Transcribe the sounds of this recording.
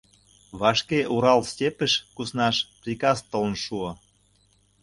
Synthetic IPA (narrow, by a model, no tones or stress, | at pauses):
βɑʃkeʔuɾɑlstʲepəʃkusnɑʃprʲikɑst̪ələ̆nʃuo